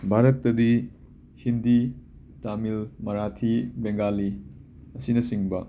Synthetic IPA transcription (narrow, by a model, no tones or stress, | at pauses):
bʱaɾɐtːɐdi | hindi | tamilmɐɾatʰibeŋɡalːi | ɐsinɐsiŋbɐ